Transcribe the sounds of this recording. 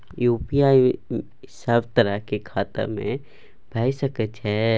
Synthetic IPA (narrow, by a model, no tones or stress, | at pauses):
juːpijaːi | səbt̪əɾəɦkekʰaːt̪a̰mḛ̃ | b̥ʱɛːsəkət͡ʃɦɛː